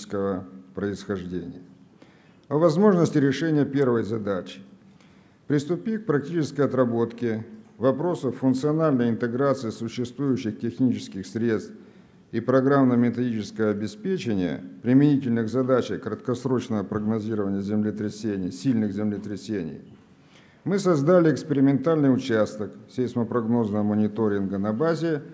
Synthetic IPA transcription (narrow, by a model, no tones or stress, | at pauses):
skəvəpɾəɪsxɐʐdʲenʲɪ̰jə | ɐvɐzmo̞ʐnəsʲtʲɪɾʲɪʂɛnʲɪjəpʲe̞rvəjzɐd̪at͡ɕɪ̥ | pɾʲɪst̪ʊpʲik̚pɾɐk̚tʲit͡ɕɪskəjɐt̪ɾɐbo̞t̪kʲɪvɐpɾo̞səfːʊnt̪sɨɐnalʲnəjɪnt̪ɨɡɾat̪sɨɪsʊɕːɪst̪vujʉɕːɪxtʲɪxnʲit͡ɕɪ̥skʲɪxsɾʲe̞t̪st̪f | ipɾɐɡɾamnəmʲɪt̪ɐdʲit͡ɕɪskəjəɐbʲɪspʲet͡ɕɪnʲɪjə̰pɾʲɪmʲɪnʲitʲɪlʲnɨɣzɐd̪at͡ɕəjkɾət̪kɐsɾo̞t͡ɕnəvəpɾəɡnɐzʲiɾəvənʲɪjəzʲɪmlʲɪt̪ɾʲɪsʲenʲɪjsʲilʲnɨɣzʲɪmlʲɪt̪ɾʲɪsʲenʲɪ̰j | mɨsɐzd̪alʲɪːkspʲɪɾʲɪmʲɪnt̪alʲnɨjʊt͡ɕast̪əksʲejsməpɾɐɡno̞znəvəmənʲɪt̪o̞ɾʲɪnɡənɐbazʲɪ